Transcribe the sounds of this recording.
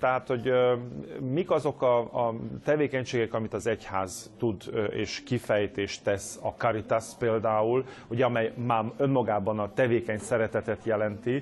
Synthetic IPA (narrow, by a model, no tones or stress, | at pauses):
t̪ɛɦaːt̪ho̞ɟ | mikɒzo̞kɒːt̪ɛveːkɛɲʃeːɡɛkɒmit̪ɒzɛchaːzt̪ud̪ḛːʃkifɛjt̪eːʃt̪ɛsɒkɒɾit̪aspeːld̪aːul | uɟɛɒmɛjmaːø̞nmɒɡaːbɒnɒt̪ɛveːkɛɲsɛɾɛt̪ɛt̪ɛt̪jɛlɛnt̪i